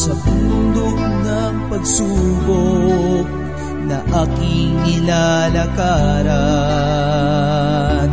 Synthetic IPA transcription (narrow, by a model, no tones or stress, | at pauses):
sɐpund̪ok̚nɐŋpɐɡsubok̚ | nɐʔakɪŋːɪlalɐkaːɾɐ | n